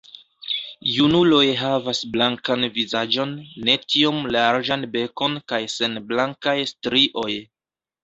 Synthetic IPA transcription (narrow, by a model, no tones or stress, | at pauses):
junulo̞jɦavasblaŋkanvizad͡ʒo̞nːe̞tʰio̞mlaɾd͡ʒanbe̞ko̞nkajse̞nblaŋkajstɾiʔo̞j